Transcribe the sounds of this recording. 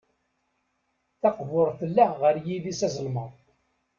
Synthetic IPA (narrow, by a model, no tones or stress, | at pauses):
θɑqvʊɾˤθəlːæʁəɾjiðisæzəlməðˤ